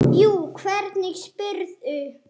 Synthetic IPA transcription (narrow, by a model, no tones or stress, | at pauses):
juːkʰvɛɾt̪nɪɣspʏɾðʏ